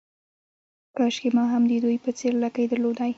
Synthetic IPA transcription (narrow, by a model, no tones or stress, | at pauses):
kɑʃkemɑɦamd̪əd̪ujpət͡seɾlakajd̪əɾlod̪aj